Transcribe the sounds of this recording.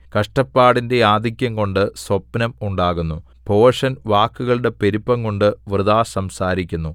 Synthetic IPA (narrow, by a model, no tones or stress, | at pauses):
kɐʂʈɐpːaːɽinde̞jaːd̪ʱikʲːɐŋko̞ɳɖɨswɐpːnɐmuɳɖaːɣunːu | po̞ːʂɐnʋaːkːuɣɐɭɨɽe̞pe̞ɾipːɐŋko̞ɳɖɨʋrɨd̪aːsɐmsaːɾikʲːunːu